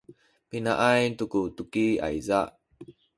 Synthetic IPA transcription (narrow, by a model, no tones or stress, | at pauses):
pinaʔajntukutukia̰jzaʔ